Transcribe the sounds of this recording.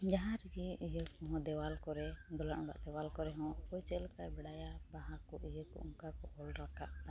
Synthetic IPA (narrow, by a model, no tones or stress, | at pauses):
d͡ʒaɦãɾɡiijəkɔɦɔ̃d̪ɛwalkɔɾɛd̪ɔlaʔba̰ʔd̪ɛwalkɔɾɛɦɔ̃kɔjt͡ʃɛlkabɛɽajabaɦakɔʔijəkɔ̰uŋkakɔɔlɾakaʔ̪a